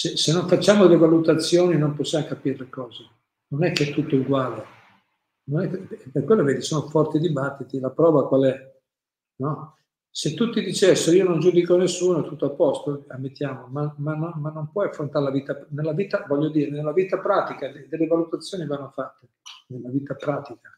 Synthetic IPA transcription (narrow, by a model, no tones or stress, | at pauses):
sesenːoɱfat͡ʃːaːmod̪elːevalut̪at̪sːjoːninomposːjamokapirlekɔːze | nonɛkːeɛt̪ːut̪ːouɡwaːle | nonɛkːɛpekwelːoveːd̪isoːnofɔrt̪id̪ibat̪ːit̪ilapɾɔːvakwalɛ | nɔ | set̪ːut̪ːid̪it͡ʃɛsːoionond͡ʒud̪ikonesːuːnoɛt̪ːut̪ːoapːɔst̪oamːet̪ːjaːmomamanomanːompwɔjafːɾont̪aɾelaviːt̪anelːaviːt̪avɔʎːod̪iːɾenelːaviːt̪apɾaːt̪ikaled̪elːevalut̪at̪sːjoːnivanːofat̪ːe | nelːaviːt̪apɾaːt̪ikḁ